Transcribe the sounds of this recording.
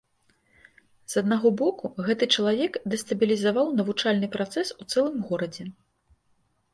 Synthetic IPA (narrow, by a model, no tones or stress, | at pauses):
z̥ɐd̪naɣɔbɔkuɣɛt̪ɨt͡ʂɐlˠavʲɛkd̪ɛst̪ɐbʲilʲizavawnɐvut͡ʂalʲnɨpɾat̪sɛsut̪sɛlˠɨmɣɔɾɐd͡zʲɛ